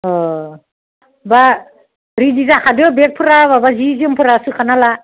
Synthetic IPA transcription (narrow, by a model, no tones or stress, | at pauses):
ɔ | ba | ɾidizakʰadɯbek̚pʰɯɾaβabazizimpʰɯɾasɯkʰanala